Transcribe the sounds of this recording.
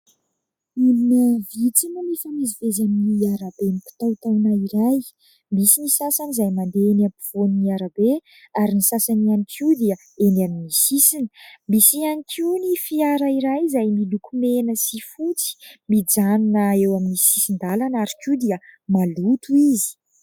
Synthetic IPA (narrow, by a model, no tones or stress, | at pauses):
ilinəvit͡sinəmifamizivezaminiaɾabenipi̥t̪awt̪awnaiɾaj | misinisasanizajmand̪eenampiv̥oniaɾabe | aɾinisasanianikʲʰiud̪iə | enaminisisinəmisianikʰinifiaɾaiɾajzajmilukumenəsifut͡si̥mid͡zannəewaminisisind̪alanaɾikud̪iəmalut̪uizi̥